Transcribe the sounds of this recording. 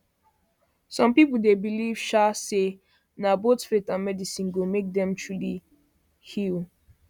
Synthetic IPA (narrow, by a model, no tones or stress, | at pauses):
sɔ̃mpipl̩debiliv̥ʃase | nabotfetãnmɛdisĩnɡomek̚dɛ̃mtʰɹuli | hil